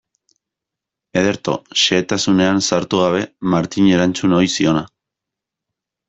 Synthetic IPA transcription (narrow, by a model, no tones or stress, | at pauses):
e̞ð̞e̞ɾt̪o̞̰ʃe̞ːt̪asune̞ansaɾt̪uɣ̞aβ̞e̞maɾt̪iɲe̞ɾant͡suno̞jsio̞na